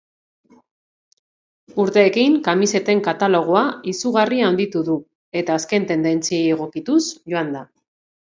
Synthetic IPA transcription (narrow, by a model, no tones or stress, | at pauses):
uɾt̪e̞ːkiŋkamise̞t̪e̞ŋkat̪alo̞ɣ̞oaisuɣ̞ariand̪it̪uðu | e̞t̪aːske̞nt̪e̞nd̪e̞nt͡siejeɣ̞o̞kit̪usʝo̞and̪a